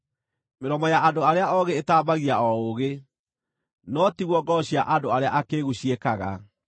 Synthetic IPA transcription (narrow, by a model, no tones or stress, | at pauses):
meɾɔmɔjaʔandoaɾeaɔɣeːtaːbaɣiaɔoɣe | nɔtiɣwɔɡɔɕiaʔandoaɾeaʔakeːɣuɕiekaɣa̰